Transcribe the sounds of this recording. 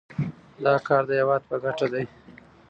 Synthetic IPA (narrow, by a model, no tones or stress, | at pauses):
d̪ɑkɑɾd̪əjawɑd̪̚pəɡaʈad̪aj